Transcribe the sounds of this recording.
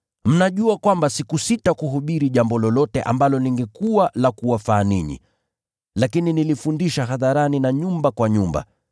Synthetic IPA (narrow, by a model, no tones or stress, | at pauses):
m̩naʄuakwambasikusitakuɦuɓiɾiʄambɔlɔlɔtɛʔa̰mbalɔniŋɡɛkualakuwafaːnḭɲḭ | lakininilifundiʃaɦaðaɾaninaɲumbakwaɲumba̰